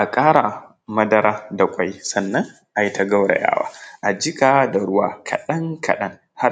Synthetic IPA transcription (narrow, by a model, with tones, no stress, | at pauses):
ʔa˨kʼaː˦ɾa˨ | mɐ˦dɐ˦ɾaː˦da˨kʷʼa˦ji˦sɐ˨nːɐ˦ŋ | ʔa˨ji˦ta˨˦ɡɐ˦wɽa̰˨ja̰ː˦wa̰ː˦ʔa˨d͡ʒɪ˦kaː˨da˨ɽʊ˦waː˦kʰɐ̰˨ɗɐ˦ŋkʰɐ̰˨ɗɐ˦ŋ | ha˦